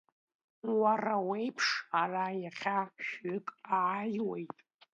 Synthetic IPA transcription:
warawe̞jpʰʂarajaχʲaʃʏkʼaajwejtʼ

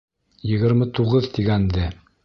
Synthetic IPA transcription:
jɘ̆ɡɘ̆ɾmɘt̪uʁɤðt̪iɡænd̪ɘ

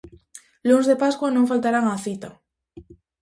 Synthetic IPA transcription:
lunzðepaskwanõŋfalt̪aɾaŋaθit̪a

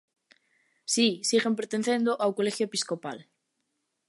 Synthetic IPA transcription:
sisiɣempeɾt̪enθẽnd̪oʔawkolexjoepiskopal

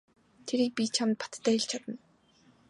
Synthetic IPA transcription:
t̪ʰeɾiːk̚pʲit͡ɕʰamt̪̚pḁt̪t̪ʰːæ̆ːɮt͡ɕʰat̪ə̆n

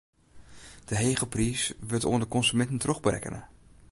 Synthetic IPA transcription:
d̥əɦejχəprisʋɪɹto̰ːəndəkɔnsymɛntən̩trɔχbərɛ̰kə̰nʔə̰

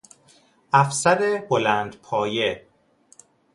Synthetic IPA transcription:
ʔæfsæɾebolæːnd̪̥pʰɒːje̞

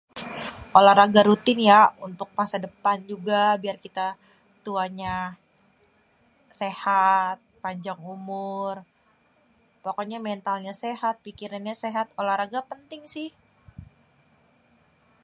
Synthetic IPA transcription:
olahɾaɡaɾut̪ɪnjaunt̪ʊk̚masadəpand͡ʒuɡabiarkit̪a | t̪uaɲa | sehat̪̚paɲd͡ʒaŋumʊr | pokoɲamɛnt̪alɲasehat̪̚pikiranɲaseɦat̪̚olahɾaɡapənt̪ɪŋsɪh

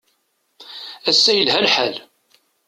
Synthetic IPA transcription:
æsːæjəlɦælħæl

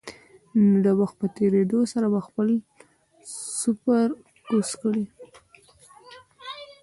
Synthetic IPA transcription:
d̪əwaxt̪̚pət̪eɾed̪osaɾabaxpəl | sʊpəɾ | uskɽi

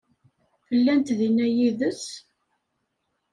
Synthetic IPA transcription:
fəlːænt̪ðinːæjiðət͡sː

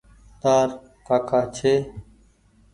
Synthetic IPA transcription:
t̪aːɾ | kaːkʰaːt͡ʃʰeː

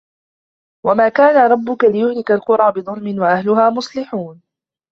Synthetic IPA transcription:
wamaːkaːnaɾˤɑbːʊkalɪjʊhlɪkalqʊɾˤɑːbɪðˤʊlmɪnwaʔahlʊhaːmʊsˤlɪħuːn

